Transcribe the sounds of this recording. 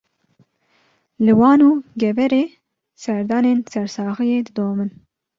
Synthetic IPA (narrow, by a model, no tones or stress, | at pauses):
lɨwɑːnuːɡɛvɛɾeː | sɛɾd̪ɑːneːnsɛɾsɑːɣɨjeːd̪ɨd̪oːmɨn